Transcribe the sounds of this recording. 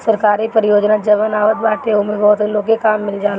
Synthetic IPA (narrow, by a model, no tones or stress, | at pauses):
sɐɾkaːɾipəɾɪjoːd͡ʒnad͡ʒəʋənaːʋət̪̚baːʈeʊmebɔɦt̪loːkekaːmːɪld͡ʒaːl